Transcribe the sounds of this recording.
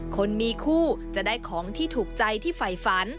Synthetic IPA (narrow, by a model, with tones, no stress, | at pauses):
kʰo˧nmiː˧kʰuː˥˩t͡ɕa˨˩daː˥˩jkʰɔː˩˦ŋt̪ʰiː˥˩t̪ʰuː˨˩k̚t͡ɕa˧jt̪ʰiː˥˩fa˨˩jfa˩˦n